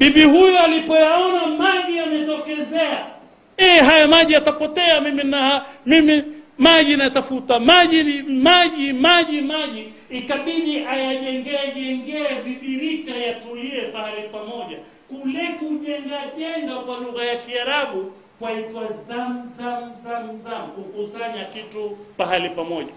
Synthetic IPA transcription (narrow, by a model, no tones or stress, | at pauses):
ɓiɓihujɔalipɔjaɔnamaʄiamɛtɔkɛzɛa | ɛɦajamaʄiatapɔtɛamiminahamimimaʄinajatafutamaʄinimaʄimaʄimaʄiː | kaɓiɗiʔajaʄɛŋɡɛʄɛŋɡɛaðiɗiɾikajatuliɛpahalipamɔʄa | kulɛkuʄɛŋɡaʄɛŋɡakwaluɣajakiaɾaɓu | kwaitwazamzamzam̩zamkukusaɲakitupaɦalipamɔʄa̰